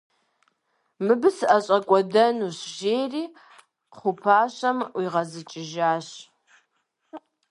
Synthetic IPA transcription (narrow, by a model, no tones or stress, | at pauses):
mɨbɨsɨʔɐɕʼɐkʷʼɔdɐnuːɕʒeːriː | qʰʷʊpʰaːɕɐmwiʁɐzɨt͡ʃʼɪʒaːɕ